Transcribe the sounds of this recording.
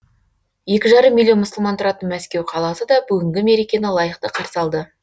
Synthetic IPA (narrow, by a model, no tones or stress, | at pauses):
je̞kʲɪʒɑɾəmːilʲːjonmʊsəlˠmɑnt̪ʰʊɾɑt̪ənmæskʲe̞wqʰɑlˠɑsəd̪ɑbʏɡʲɪŋɡʲɪme̞ɾikʲe̞nəlˠɑjəqt̪əqʰɑɾsɑlˠd̪ə